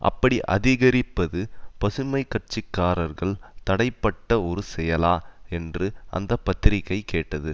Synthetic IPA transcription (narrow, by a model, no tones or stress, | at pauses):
ʔɐ̰pːɐɽiʔɐ̰ðɪɣɐɾɪpːɐðɯpɐsɯmɐɪkːɐʈ̚t͡ʃɪkːaːɾɐɾɣɐɭt̪ɐɽɐɪpːɐʈːɐɔɾɯsɛjɐlaːɛndrɯʔɐ̰nd̪ɐpːɐt̪ːɪɾɪkːɐɪkeːʈːɐðɯ